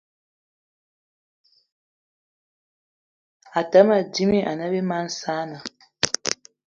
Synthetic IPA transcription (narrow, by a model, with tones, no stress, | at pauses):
a˨ta˦ma˨di˦mi˦ʔa˨na˦be˦ma˦n̩˦saː˦na˨